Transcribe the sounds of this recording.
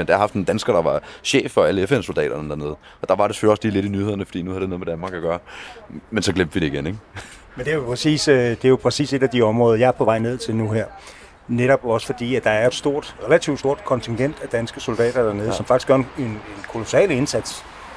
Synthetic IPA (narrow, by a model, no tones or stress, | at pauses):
end̥ɑaɦɑ̈fd̥nd̥ænsɡ̥ɐd̥ɑ̈ʋɑ̈ɕḛːfɒ̽æləefenso̝ldɛ̰ːɾ̥ɐnəd̥æɐne̝ːð̩ˠə | ɒ̽d̥ɑ̈ʋɑ̈ɾ̥ese̥øl̰iɒ̽sliːle̝ɾinyheð̰ˠɐnəfɒ̽d̥ḭːnuhæðˠd̥enoðˠmed̥ænmɑ̈ːɡ̥æɡ̥ɶːɐmensɒ̽ɡ̥lem̰d̥ʋid̥eiɡ̥eneɡ̥ | mend̥e̝æjopʰʁɛsḭːsd̥e̝jo̝pʰʁɛsḭːse̝ɾæd̥iɒ̽mʁɔ̽ːðˠɐjɑ̈ɐpʰɒ̽ʋɑ̈ɪ̰ne̝ð̞̰ˠt͡sʰe̝lnuɦeɐ̰ | neɾ̥ɒ̽b̥ɒ̽sə̥fɒ̽d̥ḭːæd̥ɑ̈æɐjoe̝d̥sd̥o̝ɐ̰d̥ʁelæt͡sʰiʊd̥sdo̝ɐd̥kʰɒ̽nt͡sʰiŋɡ̥en̰d̥æd̥ænsɡ̥əso̝ld̥ɛ̰ːd̥ɐd̥æɐneðˠsɒmfɑ̈ɡ̥isɡ̥ɶɐnenenkʰo̝lo̝sɛ̰ːləe̝nsæd̥s